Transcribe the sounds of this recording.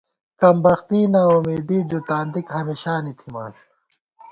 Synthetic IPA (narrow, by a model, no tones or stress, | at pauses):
kɐmbɐxt̪iːnaːumeːd̪iːd͡ʑ̪ut̪aːnd̪ikɦɐmiɕaːnit̪ʰima̰ːɕu